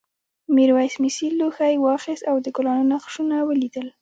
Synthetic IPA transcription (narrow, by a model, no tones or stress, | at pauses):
miɾwajsmisilːuxajwɑxɪst̪awd̪əkʊlɑnunaxʃunawəlid̪əl